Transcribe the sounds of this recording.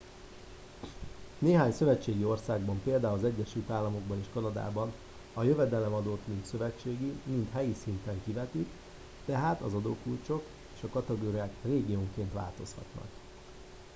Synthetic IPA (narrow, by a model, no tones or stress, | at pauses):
neːɦaːɲsø̞vɛt͡ʃːeːɡio̞rsaːɡ̚bɒmpeːld̪aːulɒzɛɟːɛʃylt̪aːlːɒmo̞ɡ̚bɒneːʃkɒnɒd̪a̰ːbɒn | ɒjø̞vɛd̪ɛlɛmɒd̪oːt̪mint̪sø̞vɛt͡ʃːeːɡimint̪ɦɛjisint̪ɛŋkivɛt̪ik | t̪ɛɦaːt̪ɒzɒd̪oːkult͡ʃo̞k | eːʃɒkɒt̪ɛɡoːɾijaːkreːɡijoːŋkeːnt̪ʋa̰ːlt̪o̞shɒ̰t̪nɒ̰k